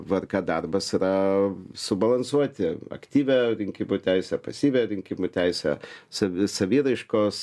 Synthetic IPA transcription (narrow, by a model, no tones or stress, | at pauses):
ʋɐrkɑːd̪ɐrbɐsiɾɐsʊbɐlˠɐnsuɔt̪ʲɪɐ̰kt̪ʲiːʋʲɛɾʲɪŋʲkʲɪmut̪ʲæɪsʲɛpɐsʲiːʋʲɛɾʲɪŋʲkʲɪmuːt̪ʲɛɪsʲɛ̰sɐsɐʋʲiːɾɐɪʃkoːs